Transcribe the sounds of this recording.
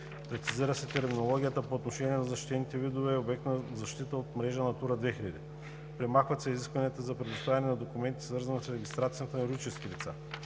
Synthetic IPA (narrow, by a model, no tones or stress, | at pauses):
pɾɛt̪siziɾəsɛt̪ɛɾminolˠɔɡʲijət̪əpoːt̪noʃɛniɛnɐzɐʃt̪it̪ɛnit̪ɛvid̪ovɛːobɛk̚t̪nəzɐʃt̪it̪əot̪mɾɛʒənɐt̪uɾəd̪vɛxiʎʲɐd̪ḭ | pɾɛmaxvɐt̪sɛiziskvɐniət̪əzɐpɾɛd̪ʊst̪avɛnɛnɐd̪okʊmɛnt̪i̥svɤɾzɐnəsɾɛɡʲist̪ɾat̪sijənt̪ɐnɛɾɡ̪it͡ʃɛskilit̪sa̰